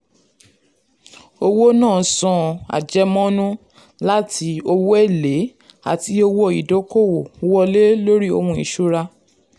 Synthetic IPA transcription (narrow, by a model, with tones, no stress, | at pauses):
o˧wo˦nãː˦˨sɔ̃˧a̰˨d͡ʒɛ˧mɔ̃˦nũ˦ | la˦tʰi˧˦o˧wo˦ɛ˦˨le˨˦ | a̰˨ti˧˦o˧wo˧i˨do˨˦ko˦˨wo˨˧wɔ˧le˦lo˦ɾi˦o̰˧hũ˧ḭ˨ʃu˦ɾa˧